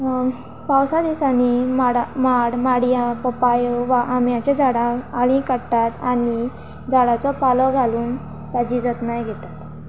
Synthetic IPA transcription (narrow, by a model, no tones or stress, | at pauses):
pawsad̪isanimaɽamaɽmaɽijãpəpajɔʋaʔamjãt͡ɕed͡zaɽãaɭĩkəɽt̪at̪aɽi | d͡zaɽat͡sɔpalɔɡʱaluːn | t̪ad͡ʑid͡zət̪najɡʱet̪at̪